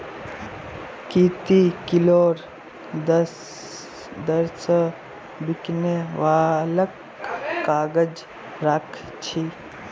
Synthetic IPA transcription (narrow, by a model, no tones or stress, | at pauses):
kiːt̪ikiloːɾ | d̪əs | d̪əɾsə | bikneʋaːləkː | aːɡəd͡ʒ | ɾakʰ | t͡ʃʰi